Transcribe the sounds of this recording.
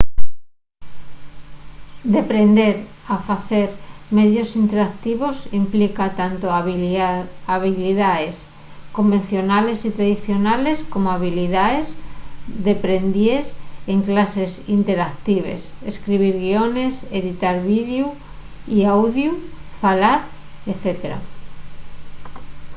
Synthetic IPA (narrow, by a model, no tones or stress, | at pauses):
d̪epɾend̪eɾafaθeɾmeðjosint̪eɾak̚t̪iβosimplikat̪ant̪o | aβiliðaes | kombẽn̟θjonalesit̪ɾaðiθjonaleskomoaβiliðaesd̪epɾe̞nd̪jeseŋklasesint̪eɾak̚t̪iβ̞ḛseskɾiβ̞iɾɣione̞seðit̪aɾβiðju | iawðjufalaɾ | eθet̪eɾa̰